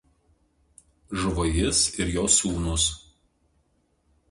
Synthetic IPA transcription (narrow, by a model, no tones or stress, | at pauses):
ʒʋojɪsɪɾjoːsuːnʊs